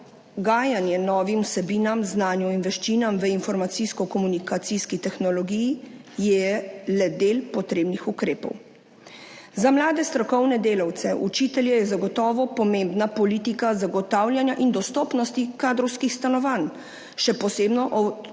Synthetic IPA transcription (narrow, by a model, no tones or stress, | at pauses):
ɡaːjanjɛnɔːʋimusɛbiːnamznaːnjɔinʋɛʃt͡ʃiːnamʋəinfɔɾmat̪siskɔkɔmunikat̪siskit̪ɛxnɔlɔɡijijɛlɛd̪eːlpɔt̪ɾeːbnixukɾeːpɔ̰w | zamlaːd̪ɛst̪ɾɔkɔwnɛd̪eːlawt̪sɛʔut͡ʃiːt̪ɛljɛjɛzaɡɔt̪ɔːʋɔpɔmẽmbnapɔliːt̪ikazaɡɔt̪aːwlʲjanjaʔind̪ɔst̪ɔːpnɔst̪ikaːd̪ɾɔwskixst̪anɔʋan | ʃɛpɔseːbnɔʔɔ